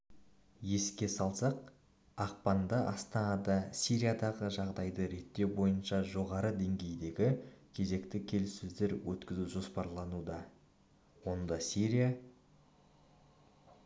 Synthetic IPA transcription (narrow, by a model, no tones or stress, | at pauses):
je̞skʲe̞sɑlˠsɑq | ɑq̚pɑnd̪əʔɑst̪ɑnɑd̪ɑsʲiɾijad̪ɑʁəʒɑʁd̪ɑjd̪əɾe̞t̪ːe̞wbo̞jənʃɑʒo̞ʁɑɾəd̪e̞ŋɡʲe̞jd̪e̞ɡʲɪkʲʰe̞ze̞kt̪ɪkʲʰe̞lsɵzd̪e̞ɾwɵt̪kʲɪzuʒo̞spɑɾlˠɑnud̪ɑ | wo̞nd̪ɑsiɾija